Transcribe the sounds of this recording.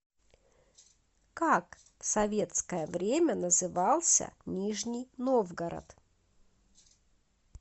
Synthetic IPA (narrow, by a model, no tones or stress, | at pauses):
kak | fsɐvʲe̞t̪skəjəvɾʲemʲənəzɨvɑlˠsʲə̰nʲiʐnʲijnovɡəɾə̰t̪